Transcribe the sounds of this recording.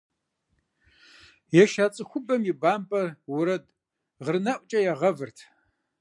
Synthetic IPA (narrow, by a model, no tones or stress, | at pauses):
jɛʃaːt͡sʼɨxʷʊbɐmibaːmpʼɐrwʊɾɐd | ʁərnɐʔʷʼt͡ʃʼɐjɛʁɐvɨrtʰ